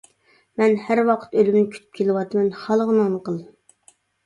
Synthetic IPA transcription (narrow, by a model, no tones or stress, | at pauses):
mɛnhæɾwɑqʰə̥t̪ølymnɪkʲʰy̥t̪ʰy̥p̚kʲʰelɪwɑt̪ʰɨmɛnhɑlˠəʁənɑnəqʰəlˠ